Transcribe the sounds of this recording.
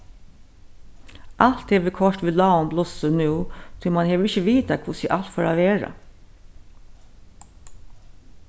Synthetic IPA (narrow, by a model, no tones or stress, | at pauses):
ʔɑlt̪eːʋeːkʰɔʂʈʋɪlɑːɔmblɔsənʉːt̪ʰɪːmɑnheːʋɪçəʋiːt̪ɑkʰʋʊsɪʔɑlt̪fɔɾɑ̰ːʋeːɾə̰